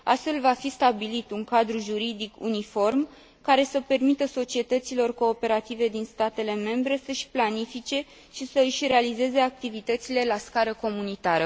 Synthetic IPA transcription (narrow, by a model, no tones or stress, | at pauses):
ast̪fe̞lvafist̪abilit̪uŋkad̪ɾuʒuɾid̪ikṵnifo̞rm | kaɾe̞səpe̞rmit̪əso̞t͡ʃie̞t̪ət̪silo̞rko̞ːpe̞ɾat̪ive̞d̪inst̪at̪e̞le̞me̞mbɾe̞səʃʲplanifit͡ʃe̞ | ʃisəɨʃʲre̞alize̞ze̞ak̚t̪ivit̪ət̪sile̞laskaɾəko̞munit̪aɾə